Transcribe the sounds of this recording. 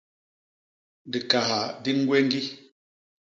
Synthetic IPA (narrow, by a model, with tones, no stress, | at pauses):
di˨ka˨ha˨di˦ŋ̩˦ɡwe˦ŋ˦ɡi˦